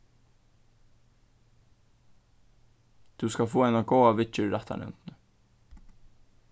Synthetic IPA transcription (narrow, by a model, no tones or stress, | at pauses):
t̪ʰuskafoːɛnaɡoːwaʋɪt͡ʃʏɾaht̪a̰nɪ̰ʏ̰nt̪nə